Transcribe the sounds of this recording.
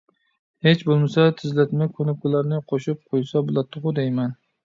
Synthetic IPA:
het͡ʃbolˠmasat̪ʰɪzlat̪makʰɵnɪp̚kʊlaɾnɪqʰoʃɪp̚qʰojsabʊlˠat̪ʰːʊʁʊd̪ejman

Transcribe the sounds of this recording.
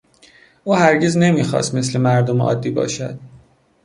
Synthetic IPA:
ʔuːhæɾɟezne̞miːxɒ̰ːst̪me̞s̬le̞mæɾd̪omeʔɒ̰ːd̪ːiːbɒ̰ːʃæ̰d̪̥

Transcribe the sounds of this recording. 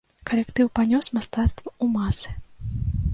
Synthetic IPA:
kɐlʲɛkt̪ɨwpanʲɔsmast̪at̪st̪vɐumasɨ̥

